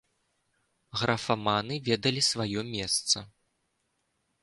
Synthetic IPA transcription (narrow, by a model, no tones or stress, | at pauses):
ɣɾʔɐfamanɨvʲɛd̪ɐlʲisvajɔmʲɛst̪sɐ